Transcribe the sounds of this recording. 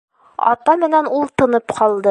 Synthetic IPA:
ɒ̰t̪ɑmɘ̆nænulˠt̪ɤ̆nɤpqʰɒlˠd̪ɤ

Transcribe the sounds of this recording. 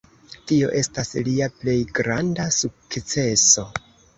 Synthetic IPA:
tio̞̰ʔe̞stasliaple̞jɡɾandasukkt͡se̞so̞

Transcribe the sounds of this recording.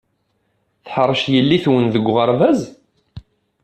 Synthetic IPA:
θħəɾˤːʃjəlːiθwənðəɡʷːʁəɾˤvæz

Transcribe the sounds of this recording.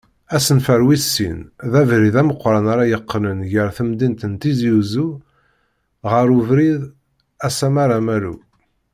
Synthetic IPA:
æsənfəɾwisːḭnðævɾiðæməqːɾˤanaɾɑjəqːnənʝəɾθəmd̪int̪ənt̪izjuzu | ʁəɾuvɾið | æsæmaɾæmæɾṵ

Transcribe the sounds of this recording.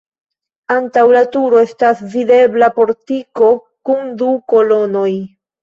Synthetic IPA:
antawlatuɾo̞e̞stasvide̞blapo̞ɾtiko̞ | kuŋduko̞lo̞no̞j

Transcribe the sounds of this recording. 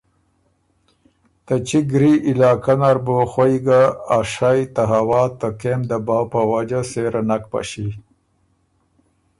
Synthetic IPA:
t̪at͡ʃiɡɾiʔɪlɑːkanaɾboxojɡaːʂajt̪aɦawɑːt̪əkemd̪əbɑːpəwad͡ʒaseɾanak̚pa̰ʃi

